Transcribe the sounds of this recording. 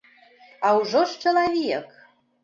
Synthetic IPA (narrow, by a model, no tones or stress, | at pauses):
ɑuʒoʃt͡ʃə̆lɑβijək